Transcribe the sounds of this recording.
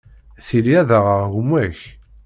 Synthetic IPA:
θiliæðəʁəʁʝəmːæç

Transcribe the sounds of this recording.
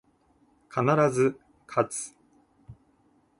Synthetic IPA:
kʰanaɾazɨ | kʰat͡sɨ̥

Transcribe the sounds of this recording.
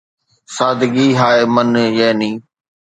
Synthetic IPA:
saːd̪ʱɡiːɦaːemənjɛːnĩː

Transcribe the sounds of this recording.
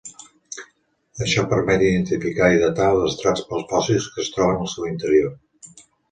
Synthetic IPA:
əʃɔpəɾmɛt̪iðənt̪ifikaiðət̪alˠzəst̪ɾat͡spəlˠspɔsiskəːst̪ɾɔβ̞ənəlˠsɛwint̪əɾio

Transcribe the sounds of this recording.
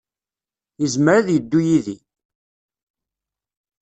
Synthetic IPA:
jəzməɾaðjəd̪ːujiði

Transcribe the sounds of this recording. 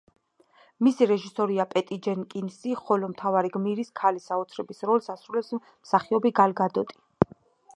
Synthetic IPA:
misiɾɛʒisɔɾiapʼɛt̪ʼid͡ʒɛnkʼinsiχɔlɔmt̪ʰavaɾiɡmiɾiskʰalisaɔt̪sʰɾɛbisɾɔlsasɾulɛps | msaχiɔbiɡalɡad̪ɔt̪ʼi̥

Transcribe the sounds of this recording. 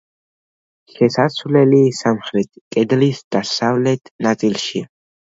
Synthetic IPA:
ʃɛsasʰvlɛlisamχɾɛt̪ʰkʼɛd̪lisd̪̥asavlɛt̪ʰnat̪sʼilʃia

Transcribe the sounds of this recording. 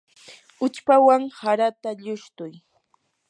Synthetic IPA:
ʊt͡ʃpawaŋhaɾat̪aʎʊʃt̪ʊj

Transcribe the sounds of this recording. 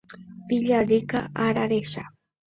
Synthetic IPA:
pɪʎaɾɪkaʔaɾaɾeʃa

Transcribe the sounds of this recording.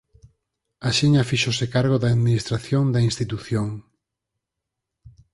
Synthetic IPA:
aʃiɲafiʃosɪkaɾɣ̞oðaːðminist̪ɾaθjoŋd̪ainst̪it̪uθjoŋ

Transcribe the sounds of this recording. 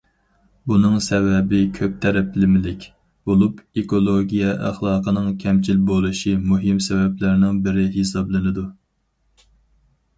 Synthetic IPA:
bunɨŋsɛvɛbɪkʲʰøp̚t̪ʰɛɾɛplɪmɪlɪkʲ | b̥olˠupekolˠoɡʲijɛʔæ̰χlˠɑːqʰənɨŋkʲʰɛmt͡ʃʰilbolˠuʃimuɦɪmsɛvɛplæɾnɪŋbɪɾɪɦesɑblˠɨnɨd̪u

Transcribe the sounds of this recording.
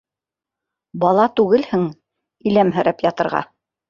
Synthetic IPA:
bɑlˠɑt̪ʉɡɘlhɘŋ | ilæmɦɘ̆ɾæpjɑt̪ɤ̆ɾʁɑ̰

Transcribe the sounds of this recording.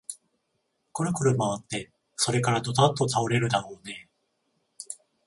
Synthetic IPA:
koɾɯ̟kɯɾɯ̟maβat̪ːe̞ | so̞ɾe̞kaɾad̪o̞t̪ant̪ːot̪aoɾe̞ɾɯ̟d̪aɾo̞ːne̞

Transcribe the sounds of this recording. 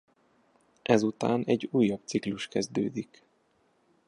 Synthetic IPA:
ʔɛzut̪a̰ːnɛɟuːjːɒbt̪sikluʃkɛzd̪øːd̪ik

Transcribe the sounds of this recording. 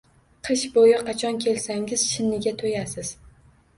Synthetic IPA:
qʰɨʃbojɪqʰɑt͡ʃʰɒnkʲʰe̞lsaŋɪz̥ʃɪnːɪɡʲat̪ʰojasɪz̥

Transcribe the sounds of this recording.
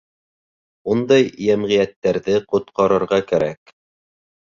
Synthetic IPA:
und̪ɑjjæmʁijæt̪ːæɾðɘqŏt̪̚qɑɾɤ̆ɾʁɑkæɾæk

